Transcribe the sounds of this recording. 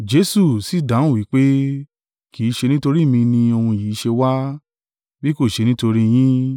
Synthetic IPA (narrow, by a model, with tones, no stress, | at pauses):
d͡ʒe˨˦su˦˨si˨˦˨dã˨˦˨wi˨˦k͡pe˦ | ki˨˦˧ʃe˧nĩ˦to˧ɾi˦˨mĩ˧nĩ˧o˧hũ˧jiː˨˦ʃe˧wa˦ | bi˦ko˦˨ʃe˧nĩ˦to˧ɾĩ˦j̃ĩ˦